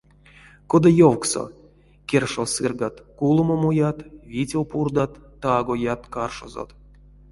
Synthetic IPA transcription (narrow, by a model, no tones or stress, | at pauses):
kod̪ajowkso̰ | kʲerʂosɨrɡat̪kulˠumomujat̪vʲit͡sʲiwpurd̪at̪ːaɡojat̪karʂo̰zo̰t̪